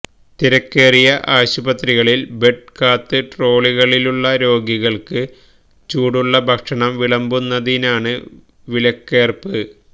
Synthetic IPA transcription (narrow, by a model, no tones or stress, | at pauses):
t̪iɾɐkːeːrijɐʔaːɕubɐt̪riɣɐɭilbe̞ʈ̚kaːt̪ːɨʈro̞ːɭiɣɐɭiluɭːɐɾo̞ːɡiɣɐɭkɨ | t͡ɕuːɽuɭːɐbʱɐkʂɐɳɐmʋiɭɐmbunːɐðinaːɳɨ | ʋilɐkːe̞ːrpɨ